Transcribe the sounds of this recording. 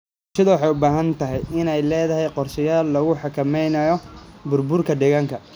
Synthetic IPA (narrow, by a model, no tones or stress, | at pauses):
ʃɐðɐwɑħɑjʊbaːɦɐnt̪ʰɐɦɛjɪnɛjlɛːðɐɦɛjqɔrʃɪjaːlːɐɣʊħɑkʰɐmɛjnɐjɔbʊrbʊrkʰɐd̪ɛːɣaːŋkʰɐ